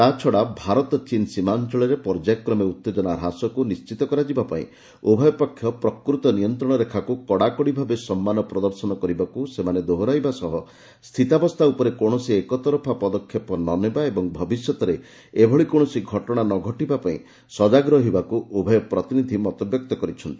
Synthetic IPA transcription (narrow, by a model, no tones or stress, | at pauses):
t̪at͡ʃʰɔɽabʱaɾɔt̪ɔt͡ʃinsimant͡ʃɔɭɔɾepɔɾd͡ʒajkːɾɔmeut̪ːed͡ʒɔnaɾɦasɔkunist͡ʃit̪ɔkɔɾad͡ʒibapaḭ̃ | obʱɔjɔpakʰːjɔpɾɔkɾut̪ɔniɔnt̪ɾɔɽ̃ɔɾekʰakukɔɽakɔɽibʱabesɔmːanɔpɾɔd̪ɔɾsɔnɔkɔɾibakusemaned̪oɦɾajbasɔɦɔ | st̪ʰit̪abɔst̪ʰaupɔɾekɔɽ̃ɔsiekɔt̪ɔɾɔpʰapɔd̪ɔkʰːjɔpɔnɔnebaebɔŋbʱɔbisjɔt̪ɔɾe | ebʱɔɭikɔɽ̃ɔsiɡʱɔʈɔɽ̃anɔɡʱɔʈibapaḭ̃ | sɔd͡ʒaɡɾɔɦibakuobʱɔjɔpɾɔt̪inid̪ʱimɔt̪ɔbjɔk̚t̪ɔkɔɾit͡ʃʰɔnt̪i